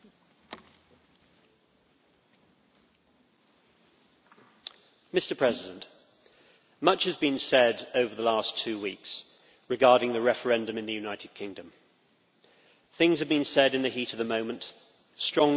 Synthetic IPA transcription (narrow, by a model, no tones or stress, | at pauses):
mɪstəpʰɹ̥ɛzɪdə̃nʔ | mʌt͡ʃhəzbĩnsɛdəʊvəðəlɑˑstʰʉːwḭˑks | ɹɪɡɑːɾɪ̃ŋðəɹɛfə˞ɛ̃ndə̃mɪ̃nðəjʉnaɪtʰɪd̚kʰɪ̃ŋdə̃m | θɪ̃ŋzəvbĩnsɛɾɨ̃nðəhiˑtəvðəmə̃ʊ̃mə̃nʔ | stɹ̥ɒ̃ŋ